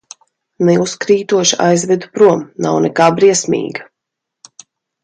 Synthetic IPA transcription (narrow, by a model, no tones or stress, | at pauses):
nɛuskɾiːt̪uɔʃia̰jzvɛd̪upɾuɔmna̰wnɛkaːbɾiɛsmʲḭːɡa